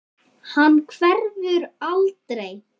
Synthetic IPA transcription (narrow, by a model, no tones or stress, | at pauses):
hanːkʰvɛɾðʏɾalt̪ɾej